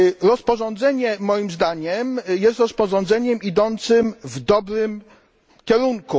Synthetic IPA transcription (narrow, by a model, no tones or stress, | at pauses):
ɾɔspɔʐɔnd̪zɛɲɛmɔjimzd̪aɲɛmjɛst̪ɾɔspɔʐɔnd̪zɛɲɛmid̪ɔnt̪sɘmvd̪ɔbɾɘm | kʲɛɾuŋku